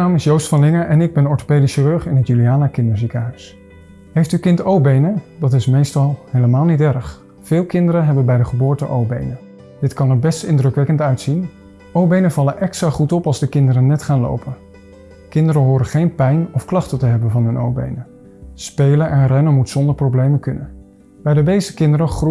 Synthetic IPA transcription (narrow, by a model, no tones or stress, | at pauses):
naːmɪsjowstfɑnlɪŋəʔɛnɪɡ̚bɛnɔɹto̥pejdisirøɹχɪnɦətjyliaːnakɪndəɹzikəɦœɥs | ɦejftykɪntowbejnədɑtɪsmejstɑlˠɦejləmaːlˠnitɛrəχ | fɪːlˠkɪndəɾəɦɛbənbɛjdəχəbʊːɹtəʔowbejnə | dɪtkɑnəbɛstɪndrɵkʋɛkəntœɥtsin | owbejnəvɑləʔɛkstraχutɔpɑlˠzdəkɪndəɾənɛtχaːnlo̰wpən | kɪndəɾəɦʊːɾəχejnpɛjnɔfklɑχtətəɦɛbənvɑnɦɵnʔo̰wbḛjnə | spejlənʔɛnrɛnəmutsɔndəɹprowblejməkɵnən | b̥ɛjdəbejzəkɪndəɾəχr